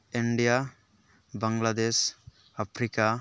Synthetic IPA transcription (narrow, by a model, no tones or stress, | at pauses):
iɳɖija | baŋɡlad̪es | apʰɾika